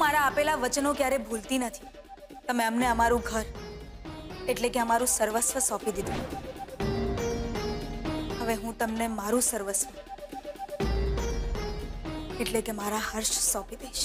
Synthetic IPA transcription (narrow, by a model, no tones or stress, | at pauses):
ɦũmaɾaːpelaʋət͡ʃnokjaɾebʱult̪inət̪ʰi̥ | t̪əmeəmneəmaɾũɡʱəɾ | eʈlekeəmaɾũsəɾʋəsʋəsɔpid̪id̪ũnə | həʋeɦũt̪əmnemaɾũsəɾʋəsʋə | eʈlekemaɾaɦəɾʃsɔpid̪eiʃ